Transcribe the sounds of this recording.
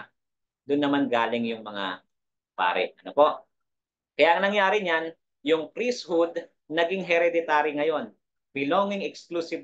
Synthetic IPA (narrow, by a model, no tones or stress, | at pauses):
d̪ʊnːɐmanɡaːlɪŋjʊŋmɐŋa̰ | pa̰ːɾɛ̰ʔʔɐnopo̞ʔ | kɐjaʔɐŋnɐŋjaːɾɪɲan | jʊŋpɾishud̪̚ | nɐɡɪŋɦɛɾɛd̪ɪt̪aːɾiŋɐjo̞n | bɪloŋɪŋɛksklusɪb